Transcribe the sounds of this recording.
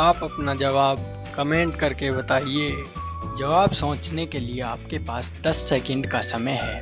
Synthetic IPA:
aːpɐpnad͡ʒɐʋaːb̚ | kɐmẽːɳʈkɐɾkebɐt̪aːie | d͡ʒɐʋaːbsõːt͡ʃnekelieaːp̚kepaːsd̪ɐsːɛːkə̃ɳɖkasɐməjɦɛ̰ː

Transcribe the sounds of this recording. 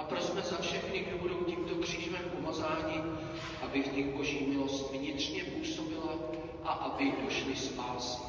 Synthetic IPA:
ʔapɾosmɛzafʃɛxnɪɡduːɦoduwciːmt̪o̞kr̝̥iːʒvɛmpo̞mazaːɲɪ | ʔabɪvɲɪɣbo̞ʒiːmɪlo̞st̪vɲɪt̪r̝̥ɲɛpuːso̞bɪla | ʔaʔabɪdo̞ʃlɪspaːs

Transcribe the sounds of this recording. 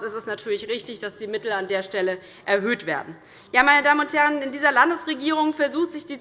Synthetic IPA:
ɛstɛstnatʰyːɐlɪçʁɪçtɪçd̥asd̥iːmɪtl̩andeːɐʃtɛlə | ʔɛɐɦøːtv̥ḛːɐdn̩ | jaːmaɪnədaːmənʊnthɛʁənɪndiːzɐlandəsʁeɡiːʁ̞ʊŋfɛɐzuːxtz̥ɪçd̥iː

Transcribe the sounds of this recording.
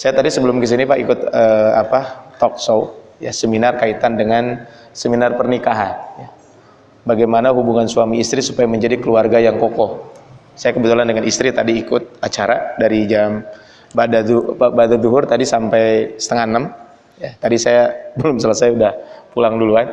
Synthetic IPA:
sajat̪adisəbəlʊmkəs̬inipaʔikʊt̪əapat̪ɔksojasəminarkait̪andəŋan | səminarpərnikaɦanja | baɡajmanaɦubuŋansuamiːst̪ɾisupajaməɲd͡ʒadikəluarɡajaŋkokɔ | sajakəbət̪ulandəŋanist̪ɾit̪adiːkʊt̪̚at͡ʃaɾadaɾid͡ʒam | badaduabadad̪uɦʊrt̪adisampajsə̥t̪əŋanəm | jat̪adisajabəlʊmsələsajudahpulaŋduluan

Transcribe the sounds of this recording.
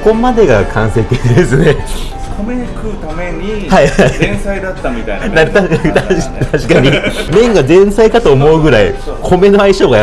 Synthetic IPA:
ko̞mad̪e̞ɡakʰãɰ̃se̞t̪ed̪esɨne | omeɲikɯt̪ameɲihaiaĩsaid̪at̪ːamʲit̪ajnaɾt̪at̪at̪aɕi̥kaɲ̟imẽ̞ŋɡazẽ̞ɰ̃saikat̪oːmo̞ɯ̟ɡɯ̟ɾaḭ | kʰo̞me̞no̞aiɕoːɡa

